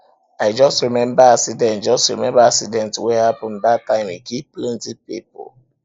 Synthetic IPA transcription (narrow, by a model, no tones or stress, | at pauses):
aɪd͡ʒɔstɹimɛ̃mbaaksidɛ̃ntd͡ʒɔstɹḭmɛ̃mbaaksidɛ̃ntwehapɔ̃ndattːãɪ̃mikiplɛ̃ntipḭp̚o̰